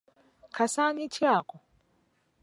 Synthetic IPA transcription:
kʰasanit͡ʃʰiakʼɔ

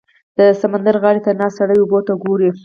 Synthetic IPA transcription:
d̪̥əsamand̪aɾɣɑɽet̪anɑsaɽajubot̪aɡoɾi

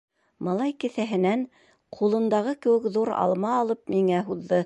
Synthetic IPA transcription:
mɑlˠɑjkɘ̆θæɦɘ̆næn | qʰulˠɤ̆nd̪ɑʁɤkɘ̆wɘ̆kðuɾɑ̰lˠmɑːlˠɤp̚miŋæɦuðːɤ

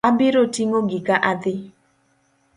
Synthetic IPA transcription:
abɪɾotiŋoɡikaʔad̪ɪ

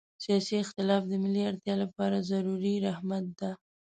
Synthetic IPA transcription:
sijɑsiɪxt̪ɪlɑfd̪əmɪlːiaɾt̪jɑlapɑɾazaɾuɾiɾahmat̪̚d̪a

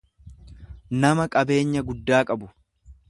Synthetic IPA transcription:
nɐmɐkʼɐbe̞ːɲːɐɡʊd̪ːaːkʼɐbʊ

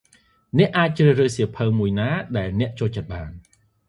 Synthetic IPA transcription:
nɛ̆əʔːaːc̚t͡ɕrɨːhrɨːhsiəpʰəwmuəjnaːɗaɛlnɛ̆əʔt͡ɕoːlt͡ɕət̪̚ɓaːn

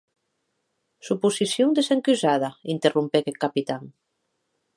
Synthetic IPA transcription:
supusisjond̪eseŋkyzaðaint̪erumpekekːapit̪aŋ

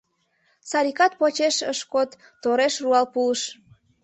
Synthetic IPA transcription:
sɑɾʲikɑt̪̚pot͡ɕeʃəʃkot̪ːoɾeʃruɑlpuəʃ

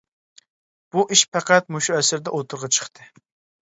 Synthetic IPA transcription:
b̥uʔiʃpʰæqæt̪̚muʃuɛsɪɾd̪ɛʔot̪ʰʊɾʁɑt͡ʃʰə̥χt̪ʰɨ

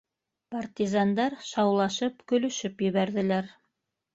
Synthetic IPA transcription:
part̪ʲizand̪ɑɾʃɑwlˠɑʃɤpkɵ̆lɵ̆ʃɘpjɘ̆βæɾðɘ̆læɾ

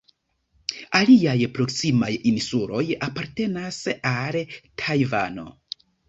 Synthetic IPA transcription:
aliajpɾo̞ksimajinsulo̞japaɾte̞nasaltʰajva̰no̞̰

